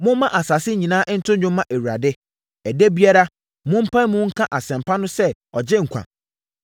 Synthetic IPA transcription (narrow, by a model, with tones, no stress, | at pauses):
mʊ̃˦mmã˦ʔa˨sa˨sɪ˦ɲĩ˨nãː˦ʔn̩˦tʰʊ̃˦ɲʊ̃˦mmːã˦ʔe˨wu˨ɾa˨dɪ˦ | æ˨de˦bi˦a˦ɾa˦ | mʊ̃˦m̩˦pʰã˦n˦mʊ̃˦ŋ̩˦kʰã˦ʔa˨sɛ̃˨m˨pʰa˦nʊ̃˦sɛ˦ɔ˨d͡ʑɪ˦ŋ̩˨kʷʰa̰˨